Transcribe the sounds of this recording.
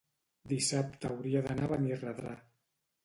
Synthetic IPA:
d̪isap̚t̪ːwɾiaðanaβanirəðɾa̰

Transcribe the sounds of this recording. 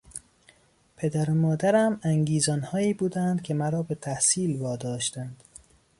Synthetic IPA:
pʰe̞d̪æɾomɒːd̪æɾæmæŋɡiːzɒːnhɒːiːbuːd̪ænd̪kʲʰe̞mæɾɒːbe̞t̪ʰæhsiːlvɒːd̪ɒːʃt̪ænd̪̥

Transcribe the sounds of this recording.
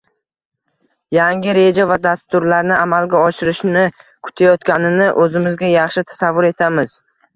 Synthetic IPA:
jaŋʲɪɾe̞d͡ʒavad̪ast̪ʊɾlaɾnɪʔamalɡʲaɒʃɪɾɪʃnɪkʰʊ̥t̪ʰajɒt̪kʲanɪnɪʔɵzɪmɪzɡʲajɑχʃɪt̪ʰḁsavːʊɾe̞t̪ʰamɪz

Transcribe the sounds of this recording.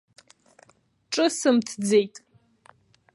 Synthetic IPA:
ʈ͡ʂʼɨsɨmtʰd͡ze̞jtʼ

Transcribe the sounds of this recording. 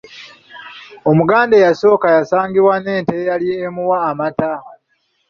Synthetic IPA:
o̞muɡaːndejaso̞ːkajasaːŋɡiβwane̞ːntejalieːmuwaːmata

